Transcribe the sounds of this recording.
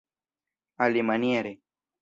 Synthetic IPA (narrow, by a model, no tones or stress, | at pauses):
alimɐniaɾe